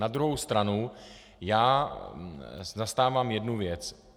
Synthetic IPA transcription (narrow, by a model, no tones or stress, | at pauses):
ad̪ɾuɦowst̪ɾanu | jaː | zast̪aːvaːmjɛdnuvjɛt͡s